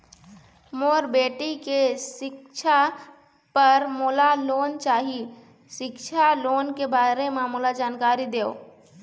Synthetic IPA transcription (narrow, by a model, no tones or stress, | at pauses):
moːɾbeːʈikeʃɪk̚ʃʰa | pəɾmoːlaloːnt͡ʃaːɦi | ʃɪkt͡ʃʰaloːnkebaːɾemãmulad͡ʒaːnkaːɾid̪eːo̰ː